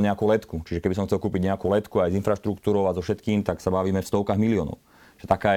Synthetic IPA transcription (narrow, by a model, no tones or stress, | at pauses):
ɲɛakulɛt̪kut͡ʃiʒɛkɛbisɔmxt͡sɛlkuːpiɟɲɛakuːlɛt̪kuajzinfɾaʃt̪ɾukt̪uːɾɔʊazɔfʃɛt̪kiːmt̪aksabaʋiːmɛfst̪ɔʊkaɣmiliɔːnɔ̰ʊ | ʒ̥ɛt̪akaː